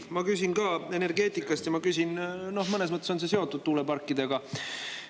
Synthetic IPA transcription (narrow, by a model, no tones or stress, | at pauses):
mɑkys̬ʲinɡɑːe̞ne̞rɡe̞ːt̪ˑikːˑɑst̪jɑmɑkysʲinno̞hmɤne̞s̬mɤt̪ːˑeso̞nse̞se̞o̞t̪ːˑud̪̥̚t̪uːlepɑrkːˑid̪̥eɡ̥ɑ